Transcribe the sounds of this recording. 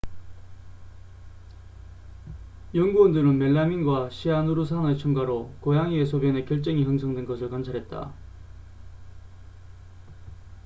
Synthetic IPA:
jʌŋɡuʌndɯɾɯnme̞ɭːaminɡwaɕʰianuɾus̬ʰaŋet͡ɕʰuŋɡaɾokojaŋiesʰobjʌne̞kjʌɭt͡ɕ͈ʌŋiɦɯŋsʰʌŋdwe̞nɡʌsʰɯɭkwant͡ɕʰaɾɦe̞t̚t͈a̰

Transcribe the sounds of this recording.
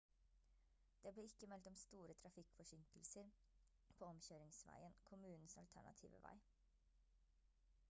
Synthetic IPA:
d̪̥eːbleːɪkːəmɛlt̪ɔmst̪uːɾət̪ʰɾɑfɪkfɔʂɪŋkəlsəɾ | pʰoːɔmçøːɾɪŋsʋæ̰ɪənkʰʊmʉːnn̩sɑlt̪ʰæ̰ɳɑ̰t̪ʰḭːʋə̰ʋæ̰ɪ

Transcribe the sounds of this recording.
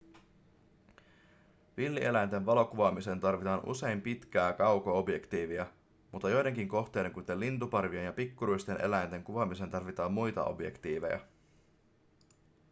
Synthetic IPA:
ʋilːiʔe̞læjnt̪e̞nʋɑlo̞kuʋɑmise̞nt̪ɑrʋit̪ɑːnʔṵse̞jmpit̪k̟æːkɑwkoo̞bje̞kt̪iːʋiæ | mut̪ːɑjo̞jde̞ŋkiŋko̞xt̪e̞jde̞ŋkunt̪elːint̪upɑrʋie̞njɑpikːuɾuist̪e̞nʔe̞læjnt̪e̞ŋkuʋɑmisent̪ɑrʋit̪ɑːmːujt̪ɑ̰ʔo̞̰bje̞̰kt̪iːʋe̞̰jɑ̰

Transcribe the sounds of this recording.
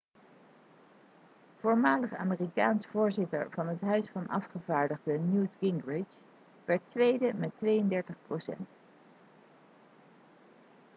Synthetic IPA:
v̥oːɹmaːləχa̰ːmɪːrikaːnsfʊːɹzɪtə̰ɹv̥ɑnɦətɦœɥsfɑnʔɑ̰fχəvaːɹdəχdənjutɡɪŋɡɹɪt͡ʃ | ʋɛɹtʋejdəmɛtʋejəndɛɹtəχprowsɛ̰nt

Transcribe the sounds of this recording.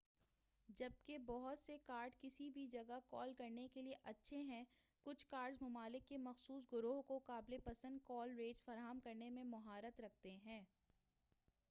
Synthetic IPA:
d͡ʒɐb̚kebɔɦʊt̪sekaːɾɖkɪsibʱid͡ʒɐɡəkɔːlkɐɾnekelieʔɐtːʃʰeɦɛ̃ | kʊt͡ʃʰkaːɾɖzmɐmaːlɪkːemɐxsuːsɡʊɾoːɦkokaːblepɐsə̃nd̪̚kɔːlɾeːʈsfɐɾaːɦəmkɐɾnemẽmɐɦaːɾət̪ɾɐk̚ʰt̪eɦɛ̃ː

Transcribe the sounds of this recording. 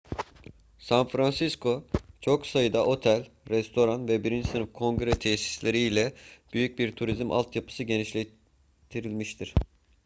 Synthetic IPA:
sanfɾansiskʰo̞t͡ʃʰo̞ksajɯd̪aʔo̞t̪ʰælʲɾɛst̪ʰo̞ɾanvɛbiɾind͡ʒisɯnɯfkʰo̞ŋɡɾɛt̪ʰɛsi̥slʲe̞ɾijlʲɛb̥yjyc̚biɾt̪ʰuɾizimʔa̰lˠt̪ʰjapʰɯ̥sɯɟe̞niʃlʲe | t̪ʰiɾilʲmiʃt̪ʰiɾ̥

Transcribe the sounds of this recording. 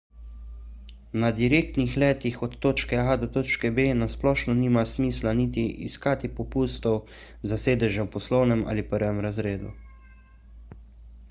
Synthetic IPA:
nad̪iɾeːkt̪nixlɛːt̪ixɔt̪ːoːt͡ʃkɛad̪ɔt̪oːt͡ʃkɛbeːnasplɔːʃnɔniːmasmiːslanit̪iḭskaːt̪ipɔpuːst̪ɔw | zaseːd̪ɛʒɛwpɔslɔwnɛma̰ːlipəɾʋɛmɾazɾeːd̪ṵ

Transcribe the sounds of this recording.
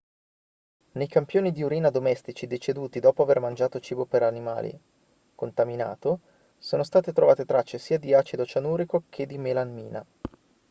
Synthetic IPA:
nejkampjoːnid̪iuɾiːnad̪omɛst̪it͡ʃid̪et͡ʃed̪uːt̪id̪ɔːpoavermand͡ʒaːt̪ot͡ʃiːbopeɾanima̰ːlḭ | kont̪amina̰ːt̪o | soːnost̪aːt̪et̪ɾovaːt̪et̪ɾat͡ʃːesiːad̪iaːt͡ʃid̪ot͡ʃanuːɾikok̟ʰed̪ːimelanmiːna̰

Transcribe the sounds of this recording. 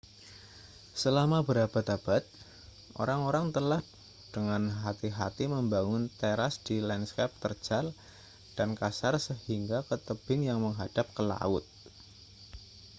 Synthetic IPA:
səlamabəɾabat̪ab̥at̪̚ | ʔo̰ɾaŋoɾaŋt̪əlah | d̥əŋanɦat̪iɦa̰t̪iməmbaŋʊnt̪eɾasd̥ilɛnskɛp̚t̪ərd͡ʒ̥al | d̥ankasarsəhiŋɡakət̪əb̥ɪnjaŋməŋɦad̥ap̚kəla̰ʊ̰t̪̚

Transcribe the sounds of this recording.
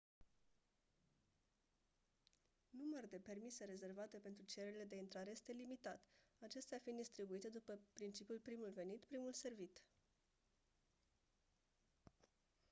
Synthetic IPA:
numərd̪e̞pe̞rmise̞ɾe̞ze̞rvat̪e̞pent̪ɾut͡ʃe̞ɾeɾile̞d̪e̞int̪ɾaɾeje̞st̪e̞limit̪at̪at͡ʃe̞st̪eafind̪ist̪ɾibuit̪e̞d̪upəpɾint͡ʃipijulpɾimulve̞nit̪pɾimulse̞rvit̪

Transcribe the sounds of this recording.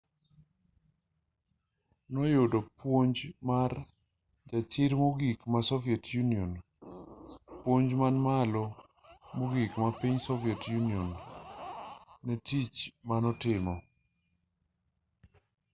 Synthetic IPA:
nɔjodɔpwoɲd͡ʒmar | d͡ʒat͡ʃɪɾmoɡikmasɔviɛtʰjuniɔn | pwoɲd͡ʒmanmalɔ | moɡikmapiɲsɔviɛtjuniɔn | ɛtit͡ʃmanɔtɪmɔ

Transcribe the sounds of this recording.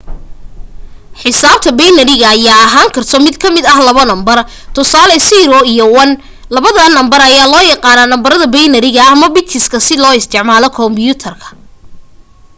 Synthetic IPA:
ħɪsaːb̥̚t̪ʰɐbɛjnɐɾɪɣɐːjaːɐɦaːŋkʰɐrt̪ʰɔmɪd̪kʰɐmɪd̪ɐhlɐβɔnɐmbɐr | t̪ʰʊsaːlɛsiɾɔijɔwɐn | lɐβɐðɐnːɐmbɐɾɐjaːlɔːjɑqɑːnaːnɐmbɐɾɐðɐbɛjnɐɾɪɣɐɐmɐbɪt̪ʰɪskʰɐsɪlɔːɪst̪ʰɪʕmaːlɔkʰɔmbjʊt̪ʰɐrkʰɐ̥

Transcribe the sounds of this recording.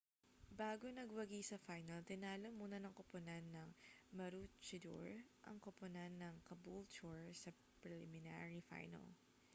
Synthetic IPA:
baːɡonɐɡwɐɡisɐfajnɐlt̪ɪnaːlomuːnɐnɐŋkopʊnanːɐŋmɐɾut͡ʃɪd̪ṵɹʔɐ̰ŋkopʊnanːɐŋkɐbult͡ʃɔɹsɐ | pɹɛlɪ̰mɪna̰ɹifa̰jnɐ̰l

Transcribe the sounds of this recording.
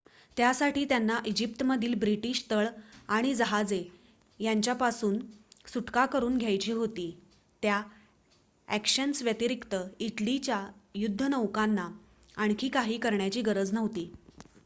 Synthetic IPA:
t̪jasaʈiːt̪janːaʔid͡ʑip̚t̪məd̪ʱiːlbɾiʈiːɕt̪əɭaɽ̃id͡zəɦad͡ze | jaɲt͡ɕjapasuːnsuʈkakəɾuːnɡʱjajt͡ɕiːɦot̪iː | t̪ja | ækɕənsʋjət̪iɾikt̪əiʈlit͡ɕjajud̪ʱːənəʋkanːa | aɳ̃kʰiːkaɦiːkəɾɳjat͡ɕiːɡəɾəd͡znəʋt̪iː

